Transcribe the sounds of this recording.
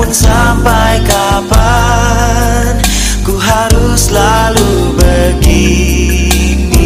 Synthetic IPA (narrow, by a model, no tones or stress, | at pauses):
ʊnsampajka | pa | n | kuɦaɾusla | lu | bəɡi | n